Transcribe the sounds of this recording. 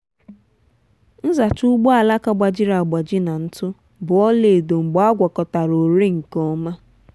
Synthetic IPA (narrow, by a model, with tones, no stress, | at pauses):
n̩˦za˨t͡ʃu˦ɡ͡bo˦a˨la˦ka˦ɡ͡ba˨d͡ʒɪ˦ɾa˨ɡ͡ba˨d͡ʒɪ˦na˨n̩˦tʊ˦ | bʊ˨ɔ˦le˨do˨ŋ͡m̩˨ɡ͡ba˦ɡʷɔ˨kɔ˨ta˨ɾo˨ɾe˦ŋ̩˨kɔ˦ma˦